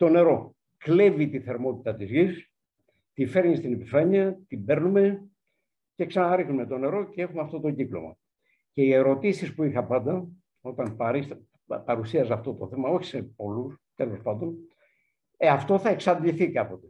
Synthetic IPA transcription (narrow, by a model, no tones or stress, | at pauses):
t̪o̞ne̞ɾo̞ | kle̞vit̪iθe̞ɾmo̞t̪i̥t̪ɐt̪izʝis | t̪ife̞ɾɲist̪inepifɐɲiɐt̪ibe̞ɾnume̞ | ce̞ksɐnɐɾixnume̞t̪o̞ne̞ɾo̞cee̞xumeɐft̪o̞t̪o̞ɟiklo̞̰mɐ̰ | ce̞ie̞ɾo̞t̪isispuixɐpɐnd̪ɐ | o̞t̪ɐnpɐɾis | pɐɾusiɐzɐft̪o̞t̪oθe̞mɐo̞çi̥sepolus | t̪elo̞spɐnd̪o̞n | ɐft̪o̞θɐe̞ksɐnd̪liθikɐpo̞t̪e̥